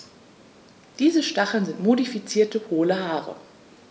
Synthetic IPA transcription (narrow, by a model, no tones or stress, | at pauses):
d̥iːzəʃtaχl̩nzɪntmodifit͡siːɐtəhoːləhaːʁə̰